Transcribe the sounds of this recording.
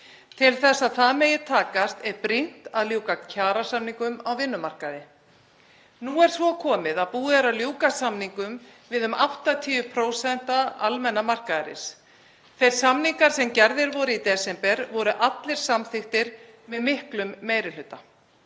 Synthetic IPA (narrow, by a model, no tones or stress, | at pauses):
t̪ʰɪlθɛsːaðθaðmeːjɪɾt̪ʰaːkast̪ɛɾpɾin̥t̪aðljoːwkacʰaːɾasamniŋkʏmawvɪnːʏmar̥kaðɪ | nuːɛɾ̥svɔkʰɔːmɪðaðpuːðɛɾawljoːwkasamniŋkʏmvɪðʏmawht̪at̪ʰiːʏpʰɾoːwsɛn̥t̪aalmɛnːamar̥kaðɾɪ̰s | θejɾ̥samniŋkaɾ̥sɛmcɛɾðɪɾvɔɾɪit̪ɛsɛmpɛɾvɔɾʏʔat̪lɪɾ̥samθɪxt̪ɪɾmɪðmɪhklʏmːeːjɾɪlʏt̪ːa